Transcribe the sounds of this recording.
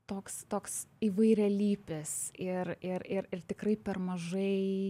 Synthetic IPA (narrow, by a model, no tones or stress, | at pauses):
t̪oːkst̪oːksiːʋɐɪɾʲɛlʲiːpʲɪsɪrɪɾɪrɪrt̪ʲɪkrɐɪpʲɛrmɐʒɐɪ